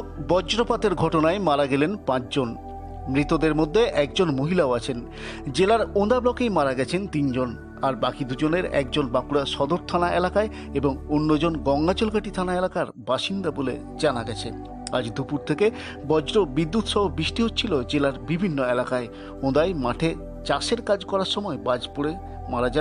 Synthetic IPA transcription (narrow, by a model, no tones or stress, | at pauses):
bɔd͡ʑɾopat̪eɾɡʱɔʈonaemaɾaɡɛlenpãt͡ɕd͡ʑon | mɾit̪od̪eɾmod̪ʱːeʔɛkd͡ʑonmoɦilaoat͡ɕʰen | d͡ʑelaɾõd̪ablɔkejmaɾaɡɛt͡ɕʰent̪ind͡ʑon | aɾbakid̪ud͡ʑoneɾɛ̰k̚d͡ʑonbakuɾaʃɔd̪oɾt̪ʰanaʔḛlakae | eboŋonːod͡ʑonɡɔŋɡat͡ɕolɡaʈit̪ʰanaelakaɾbaʃind̪abolḛ | d͡ʑanaɡɛt͡ɕʰḛ | a̰d͡ʑd̪upuɾt̪ʰeke | bɔd͡ʑɾobid̪ːut̪ʃɔɦobɾiʃʈiɦot̪ːt͡ɕʰilod͡ʑelaɾbibʱinːoelakae | õd̪ajmaʈʰe | t͡ɕaʃeɾkad͡ʑkɔɾaɾʃɔmɔebad͡ʑpoɾe | maɾad͡ʑa